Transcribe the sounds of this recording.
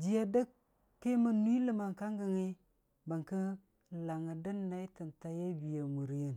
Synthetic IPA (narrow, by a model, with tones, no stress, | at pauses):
d͡ʒi˦ja˦də˦kː | e˦mə˨nu˦i˦lə˦ma˨ŋ˨ka˦ŋɡə˨ŋi˦ | bə˨ŋkə˦ | la˨ŋə˨də˦nːa˦i˦tə˨nta˦ja˦bi˨ja˨mu˨ɾjə˦n